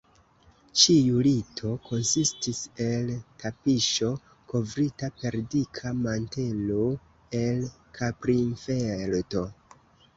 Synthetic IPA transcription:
t͡ʃijulitʰo̞ko̞nsistise̞ltʰapiʃo̞ | ko̞vɾitape̞ɾdikʰamante̞lo | e̞l | kʰapɾinfelto̞

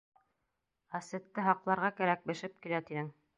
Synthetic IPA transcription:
æsɘ̆t̪ːɘɦɑqlˠɑɾʁɑkæɾæk̚bɘ̆ʃɘp̚kilæt̪inɘŋ

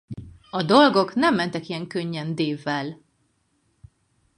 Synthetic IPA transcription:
ɒd̪o̞lɡo̞knɛmːɛnt̪ɛkijɛŋkøɲːɛnd̪eːvːɛl

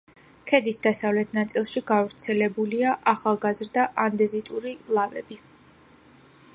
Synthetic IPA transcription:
kʰɛd̪it̪ʰd̪asavlɛt̪ʰnat̪sʼilˠʃiɡavɾt̪sʰɛlɛbuliaʔaχalˠɡazɾd̪aʔand̪ɛzit̪ʼuɾilˠavɛbi

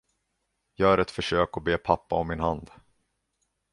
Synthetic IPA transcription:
jɑːɡæɾɛt̪fœʂøːkɔbeːpʰapːaɔmːɪnɦand̪

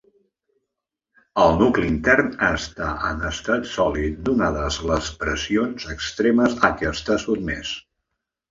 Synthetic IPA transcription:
əlˠnukliint̪ɛrnaəst̪aʔənəst̪at̪sɔlit̪̚d̪unaðəzləspɾəsionzəkst̪ɾeməzəkɛəst̪asud̪mɛs

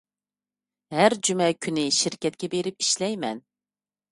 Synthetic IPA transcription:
hæɾd͡ʒymɛkʲʰynɪʃiɾkʲɛt̪̚kʲɛbeɾɪpiʃlɛjmɛn

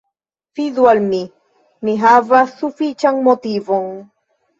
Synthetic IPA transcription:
fiðwalmi | niɦavasufit͡ʃaŋmot̪ivoŋ

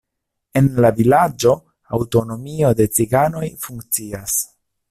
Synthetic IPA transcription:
e̞nlavilad͡ʒo̞ | awto̞no̞mio̞de̞t͡siɡano̞jfuŋk̚t͡sias

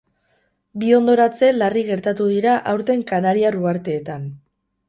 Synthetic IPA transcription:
bio̞nd̪o̞ɾat͡se̞lariɣe̞ɾt̪at̪uð̞iɾaʔawɾt̪e̞ŋkanaɾiaruaɾt̪e̞ːt̪an

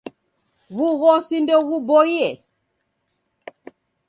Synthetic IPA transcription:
ɣuɣɔsindɛɣubɔiɛ

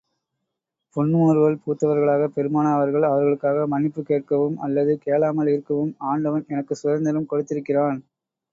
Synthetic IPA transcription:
pɔɳːoːɾɯʋɐɭpuːt̪ːɐʋɐɾɣɐɭaːɣɐpɛɾɯmaːnaːʋɐɾɣɐɭɐʋɐɾɣɐɭɯkːaːɣɐmɐnɪpːɯkeːʈ̚kɐʋɯmɐ̰lːɐðɯkeːɭaːmɐlɪɾɯkːɐʋɯmaːɳɖɐʋɐnɛnɐkːɯsʊɐɾnd̪ɐlɯmkɔɽɯt̪ːɪɾɯkːɪraːn

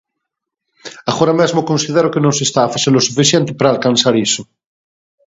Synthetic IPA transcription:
aɣoɾamezmokonsiðeɾokenõŋs̬est̪aːfaθeɾlosufiθjẽnt̪e̥paɾaːlkansaɾiso

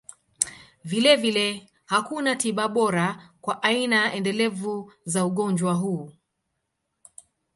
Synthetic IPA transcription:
vilɛvilɛ | hakunatiɓaɓɔɾakwaʔainaɛndɛlɛvuzauɠɔnd͡ʒwaɦuː

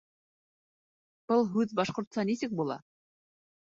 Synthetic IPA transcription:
b̥ɤlˠɦʉðbɑʃqoɾt̪sɑnisɘk̚bulˠɑ̰

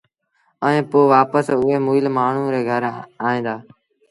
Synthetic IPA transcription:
əɛ̃ːpoːʋaːpəsʊɦeːmuːɪlmaːɳ̤ũːɾeːɡʱəɾaːɦĩːnd̪aː

